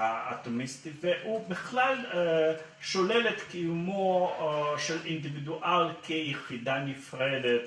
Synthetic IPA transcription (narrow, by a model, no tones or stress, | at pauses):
ao̰t̪emist̪iveʔubiχlal | ʃolelet̪kijumo | ʃelind̪ivid̪uʔalkʰejeχid̪anifʁed̪et̪